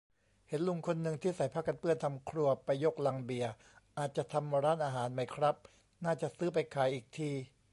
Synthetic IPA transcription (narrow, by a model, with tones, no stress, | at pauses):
he˩˦nlu˨˧˩ŋkʰo˧nːɯ˧ŋt̪ʰiː˥˩sa˩˦jpʰa˦˥kːa˧npɯ˥˩ənt̪ʰa˧mkʰɾu˧ɐpa˧jːo˦˥˩k̚la˧ŋbi˨˩ɐ | ʔaː˨˩t̪̚t͡ɕa˨˩t̪ʰa˧mːa˧ɾaː˦˥˨nʔaː˧ɦaː˩˦nma˧˥˩jkʰɾa˦˥p̚ | naː˥˩t͡ɕa˨˩ʔsɯː˦˥p̬a˧jkʰaː˨˩˦jʔiː˨˩k̚t̪ʰiː˧